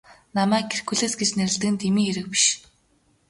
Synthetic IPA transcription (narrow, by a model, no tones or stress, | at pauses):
namæːkʰːerkuɮeːsɡet͡ɕnæɾɘ̆ɮt̪ɘ̆kɘ̆nt̪ʰemiːxeɾɘ̆k̚pi̥ʃ